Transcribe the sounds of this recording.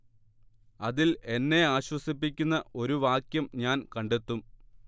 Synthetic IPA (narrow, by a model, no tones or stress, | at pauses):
ɐðile̞nːe̞aːɕwɐsip̬ːikʲːunːɐʔo̞ɾuʋaːkjɐmɲaːnkɐɳɖe̞t̪ːum